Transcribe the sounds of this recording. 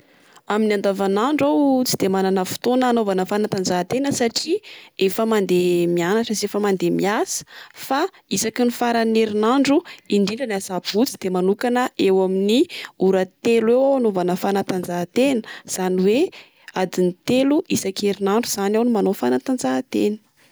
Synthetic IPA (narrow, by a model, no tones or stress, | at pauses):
aminiand̪avanaɳɖ͡ʐawt͡si̥d̪̥emananəfu̥t̪onəːnovanəfanat̪and͡zat̪enəsaʈ͡ʂiefəmand̪emianaʈ͡ʂəzefəmand̪emiasə̥fa | isakinifaɾaneɾinaɳɖ͡ʐuiɳɖ͡ʐiɳɖ͡ʐanasabut͡sid̪̥emanukanəʔewaminiuɾat̪eluewaanovanəfanat̪and͡zat̪enə̥z̥aniwe | ad̪init̪eluʔisakeɾinaɳɖ͡ʐuz̥anawnimanofanat̪and͡zat̪ḛnə̥